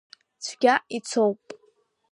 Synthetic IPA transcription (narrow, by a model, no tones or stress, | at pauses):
t͡sʷʰɡʲait͡sʰowpʼ